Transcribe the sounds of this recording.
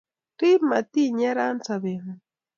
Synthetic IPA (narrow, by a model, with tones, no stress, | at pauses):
ki˦ma˨t̪i˦ɲa˦ɾa˦nt͡saβe˨n